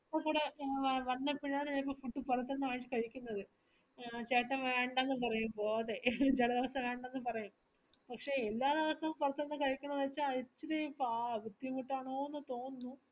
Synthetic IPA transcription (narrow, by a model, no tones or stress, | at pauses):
pːɐkuːɽeʋɐnːɐpːiɻaːɾɐipːɐfuʈːɨpurɐt̪ːenɨaːɻit͡ɕːɨ̥kɐɻikʲːunːɐðɨ | t͡ɕeːʈːɐmʋeːɳɖnːɨpɐrɐjumboːɐðed͡ʑelɐd̪iʋɐsɐmʋeːɳɖanːɨpɐrɐjum | pɐkʂe̞elːaːd̪iʋɐsɐʋmpurɐt̪ːenːɨkɐɻikʲːunːɐðɐt͡ɕːaɐt͡ɕːiɾipaʋud̪jumiʈːaːɳoːnːut̪o̞ːnːu